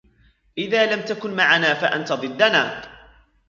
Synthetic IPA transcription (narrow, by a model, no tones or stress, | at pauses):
ʔɪðaːlamt̪akʊnmaʕanaːfaʔa̰nt̪aðˤɨd̪ːanaː